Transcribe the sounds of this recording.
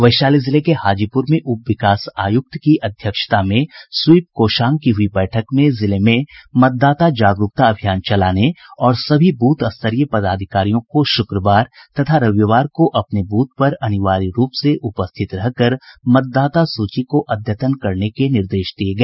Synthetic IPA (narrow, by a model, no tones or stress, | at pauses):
ʋɐɪʃaːlizɪlekehaːd͡ʒipʊɾmẽʔʊpʋɪkaːsaːjʊk̚t̪kiʔɐd̪ʱjəkʃə̥t̪amẽswip̚koːʃaːŋkiɦʊibɛːʈʰəkmẽzɪlemẽmɐt̪̚d̪aːt̪ad͡ʒaːɡɾʊk̚t̪aɐbʱijaːnt͡ʃɐlaːneɔːɾsɐbʱibuːt̪ɐst̪ʰəɾijəpɐd̪aːd̪ʱɪkaːɾijõkoʃʊkɾəʋaːɾt̪ɐt̪ʰaɾɐʋjəʋaːɾkoʔɐpnebuːt̪̚pɐɾɐnɪʋaːɾiɾuːpseʔʊpəst̪ʰɪt̪ɾɐɦkɐɾmɐt̪̚d̪aːt̪asuːt͡ʃikoʔɐd̪ʱjət̪ənkɐɾnekenɪɾd̪eːʃd̪ieɡɐeeː